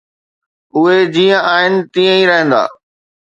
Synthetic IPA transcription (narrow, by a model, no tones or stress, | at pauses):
ʊɦed͡ʑiːə̃aːɦɪnɪ̆t̪ĩːə̃ĩɾɐɦə̃nd̪a̰ː